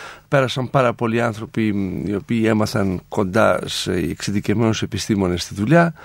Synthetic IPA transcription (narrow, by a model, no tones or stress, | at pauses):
peɾɐsɐmpaɾɐpolianθɾo̞piḭo̞piːemɐθɐŋko̞nd̪a̰seḛksiðicemenosepist̪imo̞nest̪it̪ula